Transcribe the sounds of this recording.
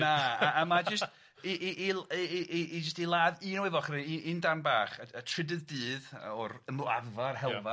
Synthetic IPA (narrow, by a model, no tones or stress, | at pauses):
naʔːmad͡ʒəst | iʔiʔːliʔiʔːd͡ʒəstilˠaːðɨːnɔwɪvɔχriiːʔiːndarnbaːχəətʰrɪdɨðdɨːðɔrəma̰ðvarhɛlˠva